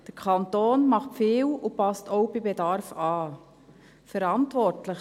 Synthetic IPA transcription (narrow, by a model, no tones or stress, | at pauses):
d̥əɾkʰɑntoːnmɑχtfɪːwʊpɑstoʊbibedɑɾfɑː | fəɾɑntʋɔɾtlə